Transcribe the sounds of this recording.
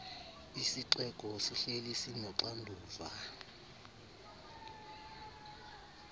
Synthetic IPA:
isiǀɛk̬ʼɔsiɬelisinɔǀandʱuːva

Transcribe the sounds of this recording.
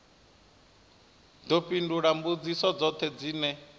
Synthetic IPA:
d̪ɔɸinduɺambud͡zisɔd͡zɔt̪ʰɛd͡ziːnɛ

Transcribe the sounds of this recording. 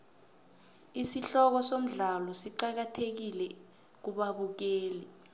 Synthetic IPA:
isiɬɔk̬ɔsom̩ɮalɔsiǃak̬atʰek̬ilɛ | k̬uɓaɓuk̬eːli

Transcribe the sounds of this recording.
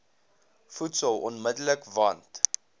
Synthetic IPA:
futsəlˠɔnmədələkvɐnt

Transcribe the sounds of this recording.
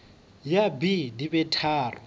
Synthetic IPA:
jabidibɛtʰaːrʊ̰

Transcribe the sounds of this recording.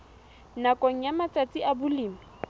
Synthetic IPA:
nakʼɔŋ̩jamat͡sʼat͡sʼiabʊliːmi

